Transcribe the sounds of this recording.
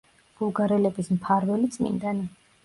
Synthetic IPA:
ɡ̥ulˠɡaɾɛlɛbismpʰaɾvɛlit̪sʼmḭnd̪an

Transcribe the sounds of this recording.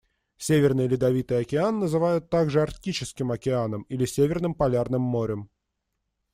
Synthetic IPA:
sʲevʲɪrnɨjlʲɪd̪ɐvʲit̪ɨjɐkʲɪanːəzɨvajʊt̪ːaɡʐɨɐrtʲit͡ɕɪskʲɪmɐkʲɪanəmilʲɪsʲevʲɪrnɨmpɐlʲarnɨmːoɾʲəm

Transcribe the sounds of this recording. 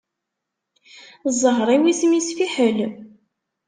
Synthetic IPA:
zˤəʁɾˤiwismisfiħəl

